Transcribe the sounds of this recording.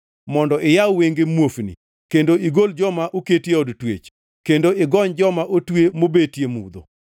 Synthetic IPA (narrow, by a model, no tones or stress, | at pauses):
mɔndɔʔɪjawweŋɡemwofnḭ | kendoiɡold͡ʒɔmaʔuketjeɔdtwet͡ʃ | kendoʔɪɡɔɲd͡ʒɔmaʔotwemobetjemṵd̪o̰